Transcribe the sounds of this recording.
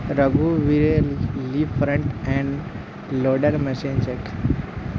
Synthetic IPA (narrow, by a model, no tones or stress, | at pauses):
ɾəɡuʋiɾelifɾə̃ɳʈɛ̃ɳ | loɖəɾmɛsenseʈ